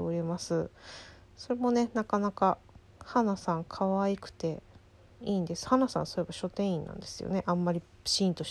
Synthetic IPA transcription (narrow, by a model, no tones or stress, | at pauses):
eoɾʲemasɨ | so̞ɾe̞mo̞ne̞nakanaka | hanasãŋkʰaβaikɯ̟̥t̪e̞ | iːnd̪e̞sɨ̥hanasã̰ñsoebaɕo̞t̪ẽ̞ɰ̃ĩnːã̰nd̪e̞sɨjo̞̰ne̞ʔãmːaɾʲi | ɕĩːnt̪o̞ɕ